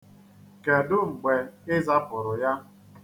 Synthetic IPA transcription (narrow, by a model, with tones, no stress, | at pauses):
ke˨dʊ˦ŋ͡m̩˨ɡ͡be˨ɪ˦za˦pʊ˨ɾʊ˨ja˦